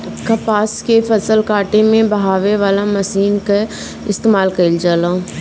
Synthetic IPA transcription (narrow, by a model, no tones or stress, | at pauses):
kɐpaːskefɐsəlkaːʈemẽbɐɦaːʋeʋaːlamɐsiːnka | ɪst̪eːmaːlkɐld͡ʒaːlãː